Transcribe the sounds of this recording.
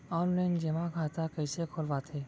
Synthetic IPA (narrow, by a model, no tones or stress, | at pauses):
ɔːnlaɪnd͡ʒemakʰaːt̪akəːsekʰoːlʋat̪ʰeː